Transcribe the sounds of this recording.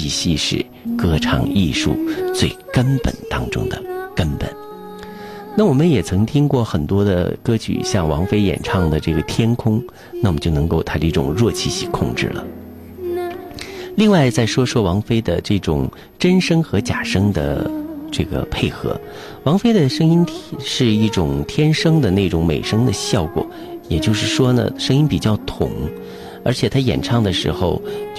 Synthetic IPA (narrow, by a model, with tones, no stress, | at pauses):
i˧˥ɕi˥˧ʂɻ̩̰˥˧ | kɤ˥˩ʈ͡ʂʰɑ̰˨˩ŋḭ˥˧ʂṵ˥˧˩t͡swe˥˩ɪkə˥npə̰˨˩nt̪ɑ˥ŋʈ͡ʂʊ̰˥ŋd̪ə̰˨kə˥npə̰˨˩˦n | na˥˩wɔ˨˩mə˦njɛ˨˩t͡sʰɤ˧˥ŋt̪ʰi˥ŋkwɔ˥˩xə˨˩nt̪wɔ˥d̪ə̰˨kɤ˥t͡ɕʰy̰˨˩ɕjɑ˥˩ŋwɑ̰˧˥ŋfe˥ɪjɛ̰˨˩nʈ͡ʂʰɑ˥˧ŋd̪ə˩ʈ͡ʂɤ˥˩ɡə˩t̪ʰjɛ˥nkʰʊ˥ŋ | na˥˩mə˩t͡ɕjo˥˩ʊnɤ˧˥ŋko˥˩ʊt̪ʰa˥d̪ə˧i˥˩ʈ͡ʂʊ̰˨˩ŋɻwɔ˥˧t͡ɕʰi˥˧ɕi˥˩kʰʊ˥˧ŋʈ͡ʂɻ̩̰˥˩lə̰˩ | li˥˧ŋwa˥˧ɪt͡sa˥˩ɪʂwɔ˥ʂwɔ˥wɑ˧˥ŋfe˥ɪd̪ə̰˨ʈ͡ʂɤ˥˩ʈ͡ʂʊ̰˨˩ŋ | ʈ͡ʂə˥nʂɤ˥ŋxɤ˧˥t͡ɕja˨˩ʂɤ˥ŋd̪ə̰˨˩ʈ͡ʂɤ˥˩ɡə̰˩pʰe˥˩ɪxɤ̰˧˥ | wɑ˧˥ŋfe˥ɪd̪ə˨ʂɤ˥ŋi˥nt̪ʰi˨˩ʂɻ̩˥˧i˥˩ʈ͡ʂʊ˨˩ŋt̪ʰjɛ˥nʂɤ˥ŋd̪ə˨ne˥˩ʈ͡ʂʊ˧˥ŋme˨˩ɪʂɤ˥ŋd̪ə˨ɕjɑ˥˩ʊkwɔ̰˨˩˦ | jɛ˨˩t͡ɕjo˥˧ʊʂɻ̩˥˩ʂwɔ˥nə̰˨ʂɤ˥ŋi˥npi˨˩t͡ɕjɑ˥˩ʊt̪ʰʊ̰˨˩˦ŋ | ə˞˧˥t͡ɕʰjɛ˨˩t̪ʰa˥jɛ̰˨˩nʈ͡ʂʰɑ˥˩ŋd̪ə˩ʂɻ̩˧˥xo˧ʊt͡ɕ